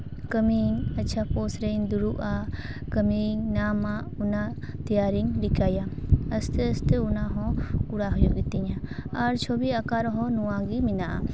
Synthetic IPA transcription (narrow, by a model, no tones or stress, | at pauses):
kəmiŋətːt͡ʃʰapɔsɾend̪uɾuʔa | kəmiŋnama | unat̪ijaɾiŋɾikajaəst̪ɛəst̪ɛunaɦɔ̃kuɽaɦɔjɔɡit̪iɲaaɾt͡ʃʰɔbiakaɾɔɦɔnuwaɡiminaʔa̰